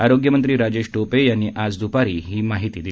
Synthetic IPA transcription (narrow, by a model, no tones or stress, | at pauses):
aɾoɡjəmənt̪ɾiːɾad͡ʑeɕʈopejanːiːʔad͡zd̪ʱupaɾiːɦiːmaɦit̪iːd̪i